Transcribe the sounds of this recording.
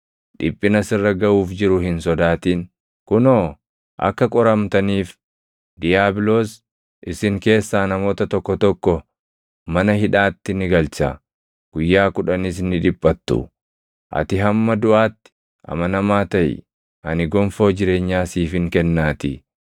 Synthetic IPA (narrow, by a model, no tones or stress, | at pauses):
ᶑɪpʼːɪnɐsɪrːɐɡɐʔuːfd͡ʒɪɾʊhɪnsɔd̪aːt̪iːn | kʊnoː | ʔɐ̰kːɐkʼɔɾɐmt̪ɐniːf | d̪ɪjaːbɪloːs | ʔɪsɪŋke̞ːsːaːnɐmo̞ːt̪ɐt̪ɔkːɔt̪ɔkːɔ | mɐnɐhɪᶑaːt̪ːɪnɪɡɐlt͡ʃɐ | ɡ̥ʊjːaːkʊᶑɐnɪs̬nːɪᶑɪpʼːɐt̪ːʊ̰ | ʔɐ̰t̪ɪɦɐmːɐd̪ʊʔaːt̪ːɪ̥ | ʔɐ̰mɐnɐmaːt̪ɐʔɪ̰ | ʔɐnɪɡɔmfo̞ːd͡ʒɪɾe̞ːɲːaːsiːfɪŋkɛnːaːt̪ɪ